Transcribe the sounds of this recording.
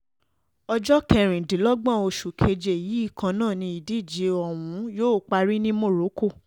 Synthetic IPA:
ɔ˧d͡ʒɔ˦kɛ˧˨ɾ̃ĩ˨dĩ˨˦lɔ˦ɡ͡bã˦˨o˧ʃu˨kʰe˧d͡ʒe˨ji˨˦i˦˨kã˧nãː˦˨nĩ˧i˨di˦˨d͡ʒi˨˦ɔ˦˨wũ˨˦joː˦˨˦k͡pa˧ɾi˦nĩ˦mo˦˨ɾo˨˦ko˦˨

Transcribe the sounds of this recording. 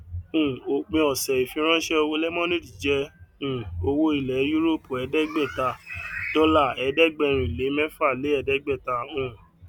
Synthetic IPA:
ũ˨o˧k͡pẽ˧ɔ˨sɛ˨i˨fĩ˧˦ɾ̃ã˦ʃɛ˦o˧wo˧lɛ˦mɔ̃˦nĩ˦di˨d͡ʒɛ˧ũ˨o˧wo˧i˨lɛ˨˦ju˦ɾo˦po˨ɛ˨˧dɛ˦ɡ͡bɛ˦˨ta˧dɔ˦la˦˨ɛ˧dɛ˦ɡ͡bɛ˧˨ɾ̃ĩ˨i˨le˨˦mɛ̃˦fa˦˨le˨˦ɛ˧˨dɛ˦ɡ͡bɛ˦˨ta˧ũ˨

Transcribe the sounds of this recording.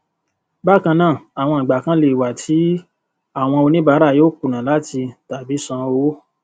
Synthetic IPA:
ba˦˨kã˧nãː˦˨a˨w̃ɔ̃˧i˨ɡ͡ba˨kã˨˦le˧i˨wa˨tʰi˨˦ | a˦˨w̃ɔ̃˧o˧nĩ˦ba˦˧˦ɾa˦˨joː˦ku˨nã˨la˦ti˧ta˨bi˨˦sɔ̃˧o˦

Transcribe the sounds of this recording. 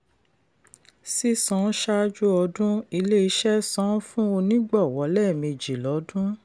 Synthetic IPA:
si˦sɔ̃˦ʃa˦d͡ʒu˦ɔ˧dũ˦i˧le˦i˧˦ʃɛ˦sɔ̃˦fũ˦o˧nĩ˦ɡ͡bɔ˦˨wɔ˨˦lɛ˦˨mĩ˧d͡ʒi˨lɔ˨˦dũ˦

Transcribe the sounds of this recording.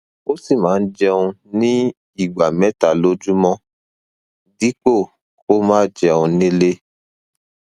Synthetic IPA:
o˦si˦˨mãː˨˦n̩˦d͡ʒɛ˧ũ˧nĩ˦ | i˦˨ɡ͡ba˨mɛ̃˨˦ta˨lo˦d͡ʒu˦mɔ̃˦ | di˨˦k͡po˦˨ | ko˦mãː˦d͡ʒɛ˧ũ˧nĩ˦le˦

